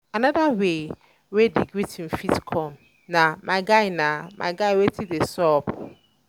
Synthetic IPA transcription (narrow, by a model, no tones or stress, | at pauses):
anadawe | wediɡɾitʰĩm̩fitkʰɔ̃m | nãmʔaɡaɪnãmʔa̰ɡaɪwetʰidesɔp